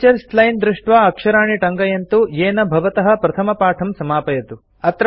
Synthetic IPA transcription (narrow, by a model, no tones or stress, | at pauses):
t͡ʃɐɾslɐjnd̪ɾuʂʈʋaɐkʂɐɾaːɳiʈɐŋɡɐjɐnt̪ujeːnɐbʱɐʋɐt̪ɐɦɐpɾɐt̪ʰɐmɐpaːʈʰɐmsɐmaːpɐjɐt̪u | ɐt̪ɾ